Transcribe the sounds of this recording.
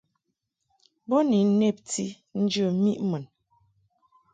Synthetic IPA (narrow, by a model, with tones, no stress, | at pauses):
bo˦ni˨˦n̩˦ne˦˨p̚ti˦ | n̩˦d͡ʒə˦˨mi˦ʔmə˨n